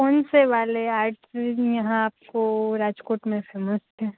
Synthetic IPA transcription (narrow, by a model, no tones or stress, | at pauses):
kɔːnseʋaːleaːɾʈjɐɦãaːp̚koɾaːd͡ʒkoːʈmẽfeːməst̪ɛ̃ː